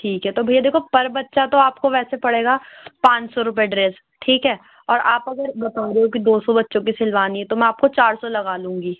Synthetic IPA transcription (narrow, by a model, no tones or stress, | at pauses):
ʈʰiːkɦɛt̪obʱɐijad̪eːkʰopɐɾbɐtːʃat̪oaːpkoʋɛːsepɐɽeːɡapãːt͡ʃsɔɾʊp̬eɖɾes | ʈʰiːkɦɛː | ɔːɾaːpɐɡəɾɡɐt̪ãːɾokid̪oːsɔbɐtːʃõk̬isɪlʋaːniɛt̪omɛ̃aːp̚kot͡ʃaːɾsɔlɐɡaːlũːŋɡiː